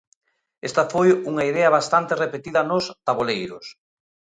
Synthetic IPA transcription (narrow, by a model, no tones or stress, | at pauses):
est̪ɐfojuŋaiðɛɐβast̪ant̪erepet̪iðɐnʊst̪aβolejɾʊ̰s